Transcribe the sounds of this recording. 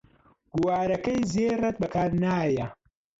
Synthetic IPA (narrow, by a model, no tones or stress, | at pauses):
ɡ̥uwaːɾɐkɐjzeːrɐt̪̚bɐkʰaːɾnaːjɐ